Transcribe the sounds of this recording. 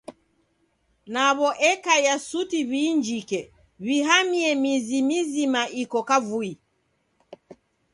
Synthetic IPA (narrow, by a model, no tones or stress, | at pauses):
naβɔʔɛkajasutiβiːnd͡ʒikɛ | βiɦamiɛmizimizimaʔikɔkavui